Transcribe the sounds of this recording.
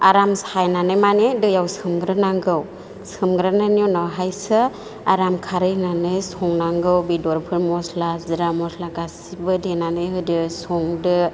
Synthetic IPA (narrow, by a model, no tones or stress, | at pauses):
aɾamshajnanɯjmanedɯjawsɯmɡɾɯnaŋɡɯw | sɯmɡɾananjɔnawɦajsɯ | aɾamkʰaɾɯjnanɯjsɔŋnaŋɡɯwbidɔɾpʰɯɾmɔslaziɾamɔslaɡasibɯdenanɯjɦɯdɯsɔŋdɯ